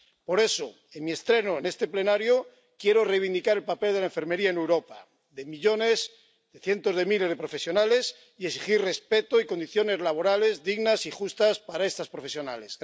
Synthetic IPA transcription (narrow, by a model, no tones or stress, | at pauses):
po̞ɾe̞so | e̞nmie̞st̪ɾe̞noene̞st̪e̞ple̞naɾjo | kje̞ɾore̞jβ̞ind̪ikaɾe̞lpape̞ldelaeɱfe̞ɾme̞ɾiaenewɾo̞pa̰ | ðe̞miʎo̞ne̞s | ð̥eθje̞nt̪o̞zðe̞mile̞zðepɾofe̞sjo̞nale̞s | ieksixirre̞spe̞t̪oiko̞nd̪iθjo̞ne̞zlaβ̞o̞ɾale̞zðiɣnasixust̪aspaɾae̞st̪aspɾo̞fe̞sjo̞na̰le̞s